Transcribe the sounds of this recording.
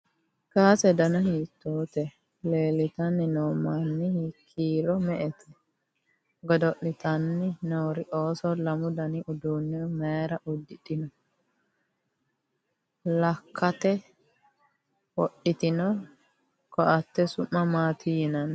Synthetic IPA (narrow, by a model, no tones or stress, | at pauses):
kaːsɛd̪ɐnɐhiːt̪ːoːt̪ɛ | le̞ːlɪt̪ɐnːɪnoːmanːɪhɪkʰːiːɾɔmɛʔɛt̪ʰɛ | ɡɔd̪ɔʔɪt̪ɐnːɪnoːɾɪʔoːsɔlɐmʊd̪ɐnɪʔʊd̪unːɛmeːɾɐʔʊd̪ːɪᶑɪnɔ | lɐkʰːɐt̪ɛ | wɔɗɪt̪ɪnɔ | kɔʔɐt̪ːɛsʊmːɐmaːt̪ʰɪjɪnɐn